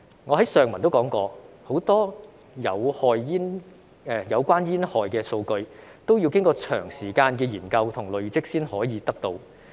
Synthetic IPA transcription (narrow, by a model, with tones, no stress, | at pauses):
ŋɔː˨˧ɦɐ˨˥jsœː˨˧ŋmɐ˨˩nt̪wkɔː˨˥ŋkɔː˧ | ho˨˥wt̪ɔː˥ | jɐ˨˧whɔː˧jjiː˥n | ɛː˨jɐ˨˧wkʷaː˥njiː˥nhɔː˨jkɛː˧so˧wkɵ˧ɥt̪o˥wjiː˧wkɪ˥ŋkɔː˧t͡ʃʰœ̰ː˨˩ŋsiː˨˩kaː˧nkɛː˧jiː˨˩nkɐ˧wt̪ʰʊ˨˩ŋlɵ˨˧ɥt͡sɪ˥k̚siː˥nhɔː˨˥jiː˨˧t̪ɐ˥k̚t̪o˧w